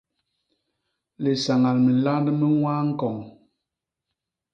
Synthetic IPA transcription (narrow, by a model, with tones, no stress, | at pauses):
le˨sa˨ŋa˨lmə˨la˦ndə˦mə˦ŋwaː˦ŋ̩˦kɔ˨ŋ